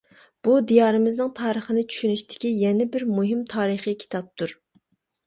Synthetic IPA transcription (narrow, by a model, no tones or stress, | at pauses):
b̥ud̪ijɑːɾɨmɪznɪŋt̪ʰɑːɾəχənɪt͡ʃʰy̥ʃynyʃt̪ʰɪ̥kʲijɛnɪbɪɾmuɦɪmt̪ʰɑːɾɨχikʲʰi̥t̪ʰɑp̚t̪ʰuɾ